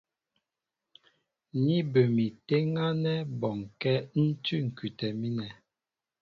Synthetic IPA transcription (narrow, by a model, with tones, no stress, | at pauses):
ni˦bə˨mi˨te˦ŋa˦nɛ˦bɔ˨ŋkɛ˦n̩˦tʉ˦ŋ̩˨kʉ˨tɛ˨mi˦nɛ˨